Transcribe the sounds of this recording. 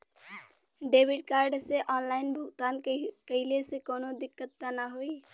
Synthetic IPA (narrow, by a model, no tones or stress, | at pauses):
ɖeːbɪɖkaːɾɖseʔɔːnlaːɪnbʱʊɡt̪aːnkəɦɪlesekoːnod̪ɪkːət̪ːanaɦoi